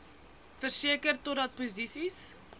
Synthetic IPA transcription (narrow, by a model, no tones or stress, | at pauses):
fərsiəkərtotɔt̚pozisis